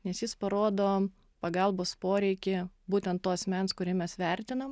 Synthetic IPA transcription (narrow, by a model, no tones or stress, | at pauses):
nʲɛsjɪspɐɾoːd̪oː | pɐɡɐlˠboːspoːɾʲɛɪkʲɪbuːt̪ʲɛnt̪t̪ːoɐsʲmʲɛnskʊɾʲɪmʲɛsʋʲɛɾʲt̪ʲɪnom